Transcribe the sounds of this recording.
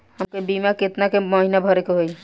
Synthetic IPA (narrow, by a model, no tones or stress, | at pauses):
həmkebimakɪt̪nakeməɦinabʱəɾekeɦoi